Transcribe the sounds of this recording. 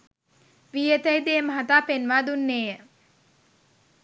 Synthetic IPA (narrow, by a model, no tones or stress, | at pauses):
ʋiːət̪əjd̪eːməɦat̪aːpenʋaːd̪unːeːjə